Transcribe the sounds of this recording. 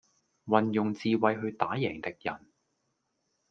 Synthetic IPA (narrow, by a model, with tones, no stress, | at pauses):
wɐ˨njʊ˨ŋt͡siː˧wɐ˨˧jɦɵ˧ɥt̪aː˨˥jɛː˨˩ŋt̪ɪ˧k̚jɐ˨˩n